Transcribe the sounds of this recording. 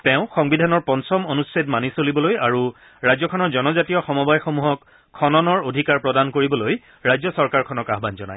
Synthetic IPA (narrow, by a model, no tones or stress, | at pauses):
tɛ̃ʊ̃xɔŋbidʱanɔɹpɔnsɔmonusɹetmanisolibɔlojaɹu | ɹajzɔkʰɔnɔɹzɔnɔzatijɔxɔmɔbajxomuɦɔkʰː | ɔnɔnɔɹodʱikaɹpɹɔdankoɹibɔloj | ɹajzɔsɔɹkaɹkʰɔnɔkaɦbanzɔna̰j